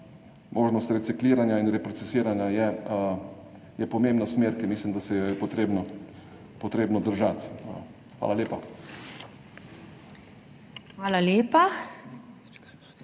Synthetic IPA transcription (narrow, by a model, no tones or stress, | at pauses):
mʔoːʒnɔst̪ɾɛt̪sikliːɾanjainɾɛpɾɔt̪sɛsiːɾanjajɛ | jɛpɔmeːmbnasmeːɾkimiːslimd̪asɛjɔjɛpɔt̪ɾeːbnɔ | pɔt̪ɾeːbnɔd̪əɾʒat̪ | xʋa̰laleːpa | xʋaːlaleːpa